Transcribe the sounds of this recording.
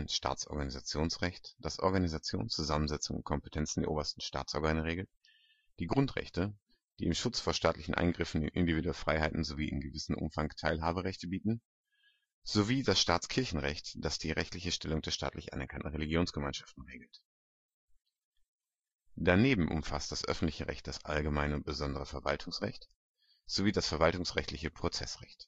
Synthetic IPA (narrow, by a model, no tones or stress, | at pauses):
nʃtʰa̰ːt͡sʔɔ̰ɐɡanizat͡sjoːnsʁɛçtd̥asʔɔ̰ɐɡanizat͡sjo̰ːnt͡suzamənzɛt͡sʊŋʊ̰nt̚kʰɔmpətʰɛnt͡sn̩deːɐʔoːbɐstn̩ʃta̰ːt͡sʔɔɐɡaanəʁeːɡl̩t̚ | d̥iːɡʁʊntʁɛ̰çtə | d̥iːɪmʃʊt͡sfoːɐʃtaːtlɪçn̩ʔa̰ɪnɡʁɪfn̩ɪnʔɪ̰ndiviːduɛlfʁ̥aɪhaɪtn̩zoviːʔɪ̰nɡəvɪsn̩ʔʊ̰mfaŋtʰaɪlɦaːbəʁɛçtəbiːtn̩ | z̥oviːdasʃtaːt͡skʰɪɐçn̩ʁɛçtd̥asd̥iːʁɛçtlɪçəʃtʰɛlʊŋd̥eɛːɐʃta̰ːtlɪçʔa̰nɛɐkʰantn̩ʁeliɡjoːnsɡ̥əmaɪnʃaftn̩ʁeːɡl̩t | d̥aneːbm̩ʔʊ̰mfa̰std̥asʔœ̰fn̩tlɪçəʁɛ̰çt̚d̥asʔa̰lɡəmaɪnʊnt̚b̥əzɔndəʁəfɛɐva̰ltʰʊŋsʁɛ̰çt | z̥oviːdasfɛɐvaltʊŋsʁɛçtlɪçəpʁ̥ot͡sɛsʁɛ̰çt